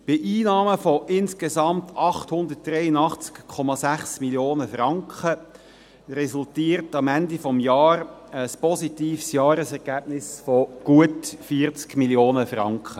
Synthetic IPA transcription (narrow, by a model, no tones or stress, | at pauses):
b̥ɪʔiːnɑːməfɔʔɪnskezɑmt̪ʰɑχthʊnd̪ət̚d̥ɾɛjənɑχt͡skkʰɔmɑsæχsmiljoːnəfɾɑŋkχə | ɾɛsultiːəɾtɑmænd̪ifɔmjɑːɾəspɔsitiːfsjɑːɾəsɛʁɡæːb̥̚nɪsfɔɡ̥uətfiɾt͡skmiljoːnəfrɑ̰ŋkχə